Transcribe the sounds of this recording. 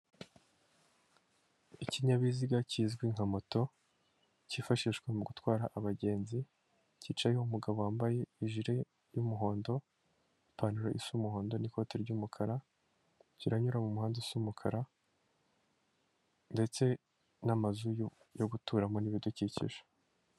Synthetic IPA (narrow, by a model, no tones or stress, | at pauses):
iciɲaβiziɡaciːzɡwiŋ̥hamo̞to̞ | ciːfaʃiʃɡwemuɡutwaːɾaʔaβaɟe̞ːnzi | ciːt͡ʃajoumuɡaβowaːmbaje̞iʒiɾe̞ | jumuɦo̞ːndo̞ | ipʰaːnuɾaʔisumuho̞ːndo̞niko̞ːteɾɟuːmukʰaɾa | ciɾaɲuɾamumuhaːndesumukʰaɾa | nde̞t͡se̞ | namazu | joɡutuːɾamo̞niβiducicḭʒe̥